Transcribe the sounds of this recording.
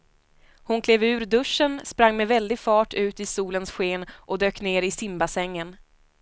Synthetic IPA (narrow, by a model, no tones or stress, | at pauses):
hʊnkʰleːvʉ̟ːɾd̪ɵʂːənspɾaŋːmɛvɛld̪ɪɡfɑːʈʉ̟ːt̪ɪsuːlənsɧeːnʔɔd̪øːkneːɾɪsɪmbasɛŋːən